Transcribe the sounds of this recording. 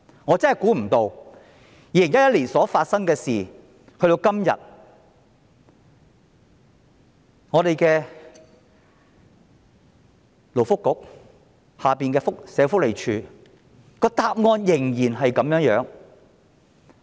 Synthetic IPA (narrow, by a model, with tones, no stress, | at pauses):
ŋɔː˨˧t͡sɐ˥nhɐ˨jkuː˨˥m̩˨˩t̪o˧w | jiː˨˧lɪ˨˩ŋjɐ˥t̚jɐ˥t̚liː˨˩nsɔː˨˥faː˧t̚sɐ˥ŋkɛː˧siː˨ | hɵ˧ɥɾo˧wkɐ˥mjɐ̰˨t̚ | ŋɔː˨˧ɾe˨jkɛː˧ | lo˨˩wfʊ˥kːʊ˨˥k̚ | haː˨piː˨nkɛː˧fʊ˥k̚sɛː˨˧wfʊ˥k̚le˨˩jt͡ʃʰyː˨˧ | kɔː˧t̪aː˧p̚ŋɔː˧njɪ˨˩ŋjiː˨˩nɦɐ˨jkɐ˨˧˥mjœː˨˥ŋjœː˨˥ŋ